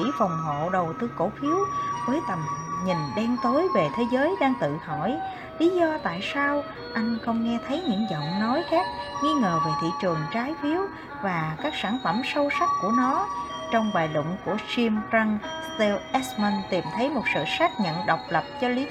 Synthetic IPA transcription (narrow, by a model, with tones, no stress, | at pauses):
ḭ˧˥fa˨˩wŋ͡mɦo̰˧˨ɗə˨˩wt̪ɨ˧ko˧˥˩fi˨˦əwvəː˨˦jt̪ə˨˩mɲi˨˩nɗɛ˧ŋt̪o˨˦jve˨˩t̪ʰe˨˦zəː˨˦jɗaː˧ŋt̪ɨ̰˧˨hɔ˧˩˨j | li˨˦zɔ˧t̪a̰ː˧˨jsaː˧w | ʔa˧jŋ̟xə˧wŋ͡mŋɛ˧t̪ʰə˨˦jɲɨ̰˧˥ŋzə̰˧˨wŋ͡mnɔ˨˦jkaː˦˥k̚ŋi˧ŋəː˨˩ve˨˩t̪ʰḭ˧˨t͡ɕɨ˨˩əŋt͡ɕaː˨˦jfi˨˦əw | vaː˨˩kaː˦˥k̚saː˧˩nfə˧˩msə˧wsa˦˥k̚ku˧˩ənɔ˨˦ | t͡ɕɔ˧wŋ͡mɓaː˨˩jlʊ̰˧˨ŋ͡mku˧˩ət͡ɕi˧mt͡ɕa˧ŋst̪ɛ˧wʔɛ˦˥smə˧nt̪i˨˩mt̪ʰə˨˦jmo˨˩t̚sɨ̰˧˨sa˦˥t̚ɲə̰˧˨nɗə˨˩wk͡p̚lə˨˩p̚t͡ɕɔ˧li˨˦